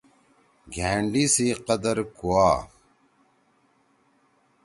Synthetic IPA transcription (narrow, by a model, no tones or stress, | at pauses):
ɡʱeːɳɖisiqɐd̪ɐɾkuaː